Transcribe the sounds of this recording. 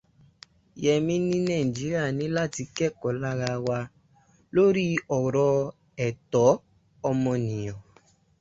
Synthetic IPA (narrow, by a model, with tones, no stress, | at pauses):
jɛ˨mĩ˦nĩ˦nã˦˨i˨d͡ʒi˨˦ɾi˦a˦˨nĩ˨˦la˦˨ti˧kɛ˦˨kɔ˨la˦ɾa˧wa˧ | lo˦ɾi˦ɔ˨ɾɔ˧ | ɛ˨tɔ˨˦ | ɔ˧mɔ̃˧nĩ˨ɔ̃˨